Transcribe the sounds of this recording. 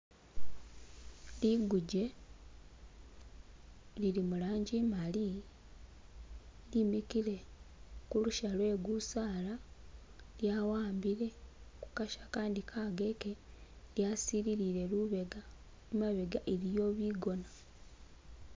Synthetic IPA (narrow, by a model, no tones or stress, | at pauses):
liɡuɟe̞ | lilimulaːɲɟimali | limikile̞kuluʃalwe̞ɡusaːla | ljawaːmbiɾe̞ku̥kaʃḁkaːndikʰaɡe̞ke | ljasiliɾiɾe̞luβe̞ɡa | umaβe̞ɡaʔelijo̞ːβiːɡo̞na